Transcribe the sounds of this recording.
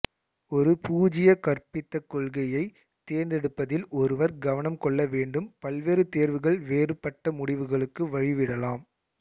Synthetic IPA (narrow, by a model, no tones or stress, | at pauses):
ɔɾɯpuːd͡ʒɪjɐkɐrpɪt̪ːɐkːɔɭɣɐjɐɪ | t̪ːeːɾnd̪ɛɽɯpːɐðɪlɔɾɯʋɐɾɡɐʋɐnɐmkɔɭːɐʋeːɳɖɯmpɐlʋeːɾɯt̪eːɾʋɯɣɐɭʋeːrɯpːɐʈːɐmʊɽɪʋɯɣɐɭɯkːɯʋɐɻɪʋɪɽɐlaːm